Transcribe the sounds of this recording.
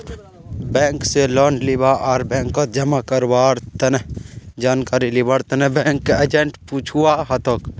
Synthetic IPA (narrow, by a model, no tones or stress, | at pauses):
bɛ̃ːŋkselɔːnlibaʔaːɾbɛ̃ːŋkod͡ʒɐmakɐɾʋaːɾt̪ɐned͡ʒaːnkaɾilibəɽt̪ənebɛ̃ŋkːeɐd͡ʒeɳʈput͡ʃʰuaɦɐt̪ok